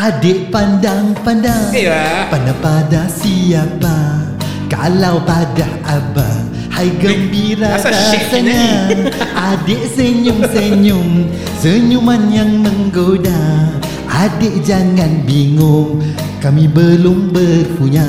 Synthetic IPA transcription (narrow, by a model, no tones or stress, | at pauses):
adeʔpandaŋpandaŋpandapadasiapa | ka̰lawpadahaba̰ | hajɡəmbiɾatasəɲaʔadeʔsəɲʊŋsəɲʊŋ | səɲumanjaŋməŋɡoda | ʔadeʔd͡ʒaŋanbiŋʊŋ | kamibəlʊmbəpuɲa